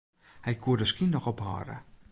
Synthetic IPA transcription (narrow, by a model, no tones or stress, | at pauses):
hɛjkʰuərdəskinːɔxɔpɦa̰ːɾə̰